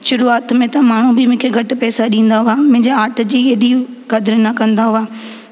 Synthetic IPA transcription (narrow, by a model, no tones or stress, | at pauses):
ʃʊɾuaːt̪mẽt̪ɐmaːɳ̤ũbɪmʊ̃ːkʰeɡʱɐʈɪ̆pɛːsaɗĩːn̆d̪aɦuaːmʊ̃ɦɪ̃ɲd͡ʑeaːʈ̆d͡ʑiːeːɗi | ɡɐd̪ɪɾnɐkɐ̃nd̪aɦuaː